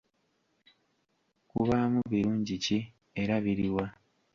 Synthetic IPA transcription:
kuβamuβiɾuːɲɟici | eɾaβiɾiwa

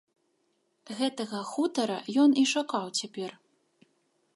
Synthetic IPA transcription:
ɣɛt̪ɐɣɐxut̪ɐɾɐ̰jɔniʂakawt͡sʲapʲɛr

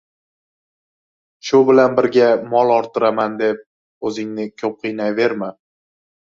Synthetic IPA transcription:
ʃʊbɪlanbɪɾɡʲamɒlˠɒɾt̪ʰɨɾamand̪e̞p̚ | ɵzɪŋnɪkʲʰɵp̚qʰɨjnajve̞ɾmɪ

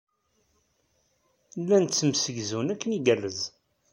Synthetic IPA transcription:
lːænt͡sːəmsəʝzunækːəniɡærːəz

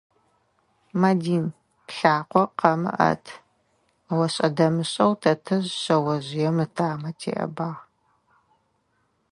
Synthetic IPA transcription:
madiːn | pɬaːqʷɔqɐmɨ̰ʔɐ̰tʰ | wɐɕʼɐdɐmɨɕʼɐwtʰɐtʰɐʑɕɐwɐʑɪjɛmɨtʰaːmɐtʰḛːʔɐ̰baːʁ

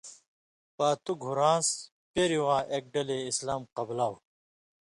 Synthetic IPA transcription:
paːt̪uɡʱuɾãːs | peɾiwãːʔek̚ɖɐleislaːmqɐblaːw

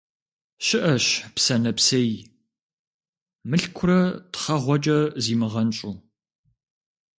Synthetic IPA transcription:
ʃɪʔɐɕpsɐnɐpsɐji | mɨɬkʷʰʊɾɐtχɐʁʷɔt͡ʃʼɐziːmɨʁɐnɕʼuː

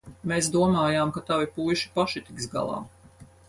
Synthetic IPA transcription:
meːsd̪uɔmaːjaːmkat̪avipuːjʃi̥paʃit̪ikzɡa̰lˠɑ̰ː

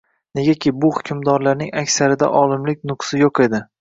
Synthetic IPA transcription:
ne̞ɡʲakʲʰɪbʊhʊkʲʰʊmd̪ɒɾlaɾnɪŋakʲsaɾɪd̪a̰ʔɒlˠɪmlɪk̚ʲnʊqsɪjoqe̞d̪ɪ

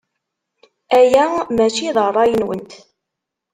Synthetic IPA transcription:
æjæmæt͡ʃiðˤərˤːɑjənwənt̪

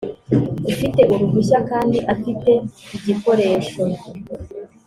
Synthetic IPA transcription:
ufite̞ʔuɾuvuçakaːndiʔafite̞iɟiko̞ɾe̞ːʃo

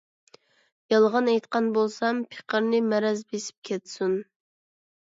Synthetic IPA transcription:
jɑlˠʁɑnɛjt̪qɑnbolˠsɑmpʰe̥qəɾnɪmɛɾɛzbesɪ̥p̚kʲʰɛt̪sun

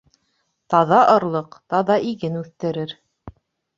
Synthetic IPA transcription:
t̪ɑðɑʔɤ̆ɾlˠɤqt̪ɑðɑʔiɡɘnʉθt̪ɘ̆ɾɘɾ

